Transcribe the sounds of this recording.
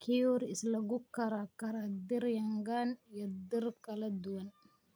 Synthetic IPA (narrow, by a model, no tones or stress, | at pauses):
kʰɪɔɾɪslɐɡʊkɐɾakɐɾɐd̪ɪɾjɐŋɡanjɔd̪ɪrkʰɐlɐd̪ʊwɐn